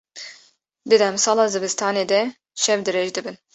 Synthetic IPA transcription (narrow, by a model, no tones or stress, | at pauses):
d̪ɨd̪ɛmsɑːlɑːzɨbɨst̪ɑːneːd̪ɛ | ʃɛvd̪ɨɾeːʒd̪ɨbɨn